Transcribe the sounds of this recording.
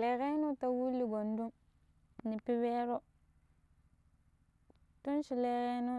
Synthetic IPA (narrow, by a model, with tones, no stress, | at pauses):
e˨ɣe˦nu˦ta˨wu˦lːi˨ɡo˨ndu˦m | ni˨pi˦we˦ɾo˦ | tu˦nʃi˨le˨ɣe˦nu˦